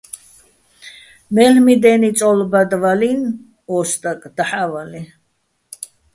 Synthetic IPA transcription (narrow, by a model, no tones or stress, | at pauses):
mɛlmid̪ɛnit͡sʼɔlbad̪valin | ɔst̪ʼakʼd̪̥aħavali